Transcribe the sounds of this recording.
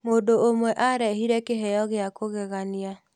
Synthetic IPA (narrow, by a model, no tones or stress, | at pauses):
moːndoomwɛʔaɾɛɦiɾɛkeɦɛjɔɣeakoɣɛɣania